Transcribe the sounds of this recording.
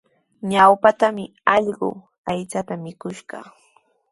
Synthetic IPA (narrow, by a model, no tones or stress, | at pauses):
ɲawpat̪amɪ | ɑʎɢʊ̰ | ajt͡sat̪amɪkʊʃɢɑ̰